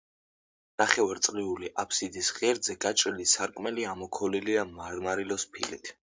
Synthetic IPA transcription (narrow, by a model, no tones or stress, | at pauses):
n̥aχɛvaɾt̪sʼʁiuliʔapʰsid̪isʁiɛɾd̪zɛɡat͡ʃʼɾilisaɾkʼmɛliamɔkʰɔliliamaɾmaɾilɔspʰḭlḭt̪ʰ